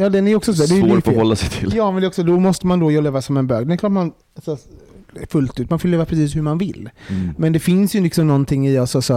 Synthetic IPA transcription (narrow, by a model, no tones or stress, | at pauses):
jɑːd̪ɛnæɾjɔksɔsod̪ɛjɪfɔlːasɛjt̪ʰɪljɑːmɛndɛɾɔksɔd̪ɔmɔst̪əmand̪ɔjɔleːvasɔmɛnbøːɡd̪ɛnɛkʰlɑːʈ̪man | asɔ | fɵlt̪ʉːt̪manfɪlleːvapʰɾɛsiːshɵmanvɪlːmɛnd̪ɛfɪnsjɵlɪksɔmnɔnt̪ʰɪŋːɪasɔsɔ